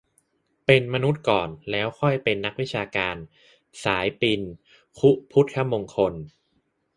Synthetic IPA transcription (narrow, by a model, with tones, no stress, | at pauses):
pe˧nma˧nu˦˥t̪̚kɔː˨˩nlɛː˦˥wxʰɔ˥˩jpe˧nːa˦˥k̚wi˦˥t͡ɕʰaː˧kaː˧n | saː˩˦jpi˧n | kʰu˦˥pʰu˦˥t̪̚kʰa˦˥mːo˧ŋkʰo˧n